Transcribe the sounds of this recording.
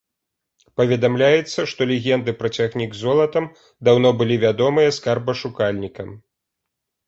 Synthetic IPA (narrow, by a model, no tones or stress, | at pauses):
pɐvʲɛd̪amlʲajɛt̪sːɐʂt̪ɔlʲɛɣʲɛnd̪ɨpɾɐt͡sʲaɣnʲiɡzɔlˠɐt̪ɐm | d̪awnɔbɨlʲivʲad̪ɔmɨjɐskarbɐʂukalʲnʲikɐm